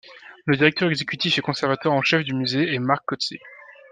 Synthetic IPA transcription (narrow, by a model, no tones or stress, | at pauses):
ləd̪iʁɛk̚t̪œʁɛɡzekʲyt̪ifɛkɔ̃sɛʁvat̪waʁɑ̃ʃɛfd̪ymyzeːmaʁkːɔt̪sḛ